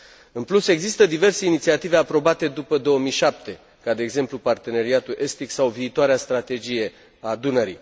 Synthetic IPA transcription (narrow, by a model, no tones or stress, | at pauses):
ɨnpluse̞ɡzist̪əd̪ive̞rse̞init̪siat̪ive̞apɾo̞bat̪e̞d̪upəd̪o̞omijʃap̚t̪e̞ | kad̪e̞ːɡze̞mplupart̪e̞ne̞ɾiat̪ulʔe̞st̪iksawviːt̪oaɾeast̪ɾat̪e̞d͡ʒije̞ | aːd̪unəɾḭ